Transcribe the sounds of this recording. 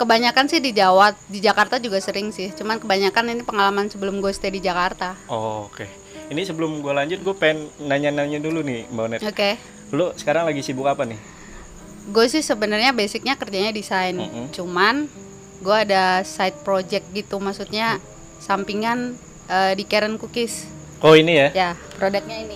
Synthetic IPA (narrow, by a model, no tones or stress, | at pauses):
kəbaɲakansɪhdid͡ʒawat̪̚did͡ʒakart̪ad͡ʒuɡasəɾɪŋsɪht͡ʃumankəbaɲakaninipəŋalamansəbəlʊmɡuast̪adid͡ʒakart̪aooke | inisəbəlʊmɡualaɲd͡ʒʊt̪̚ɡuapaɪnːaɲanaɲadulunɪmbanɛt̪oke | losə̥kaɾaŋlaɡisibʊkapanɪh | ɡuasɪsəbənərɲabesɪk̚ɲakərd͡ʒaɲadisajn̩t͡ʃuman | ɡuaːdasaɪt̪̚pɾod͡ʒɛk̪̚ɡit̪umaksut̪̚ɲa | sampiŋan | ədikeɾənkukɪs | oinijajapɾodɛk̪̚ɲaini